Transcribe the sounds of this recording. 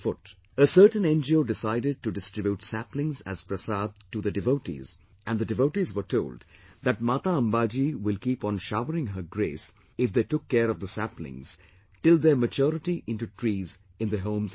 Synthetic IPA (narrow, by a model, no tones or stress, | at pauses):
fʊʈ | əsəɾʈə̃nɛ̃nd͡ʒioːɖɪsaɪdɪɖ̚ʈuɖɪstɾɪbjuʈsæplɪ̃ŋzæ̰z̥pɾəsad̪̚tud̪əɖɪʋoʊʈḭz | ʔæ̃nd̪əɖɨʋoʊʈizʋəɾtʰoʊːlɖd̪æʈ̚maːt̪aə̃mbaːd͡ʒiwɪlkiːpɔ̃nʃaʊəɾɪ̃ŋɦəɡɾeːs | ɪfd̪eːʈʊkːɛːɾɔvd̪əsæplɪ̰̃ŋz̥ | ʈɪlˠd̪əmət͡ʃɔɾɪʈiʔɪ̃nʈuʈʰɹiːz | ɪ̃nd̪əɦõːmz